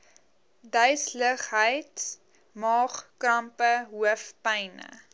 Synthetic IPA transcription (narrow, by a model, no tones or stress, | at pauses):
dœɥsləχɦəjt | mɑːχkrɐmpəɦuəfpɛjnə̰